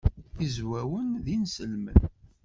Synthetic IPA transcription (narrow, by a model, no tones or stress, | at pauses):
izwæwənðinsəlmə̰n